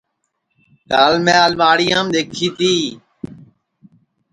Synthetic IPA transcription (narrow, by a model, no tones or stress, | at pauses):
kaːlmẽːaːlmaːɽɪjãːmɗ̪eːkʰiːt̪ʰiː